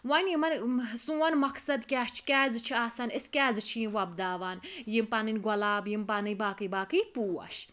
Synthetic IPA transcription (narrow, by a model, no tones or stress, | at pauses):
wɐnjimɐnsũɐnmɐksɐd̪kʲɛːt͡ʃʰi̥kʲɛːzɨt͡ʃʰiaːsɐniskʲɛːzɨt͡ʃʰĩĩʋɐbd̪aːʋaːnjimpɐnɨnʲɡɐlaːbjimpanɨjbaːkɨjbaːkɨjpuːɐ̰ʃ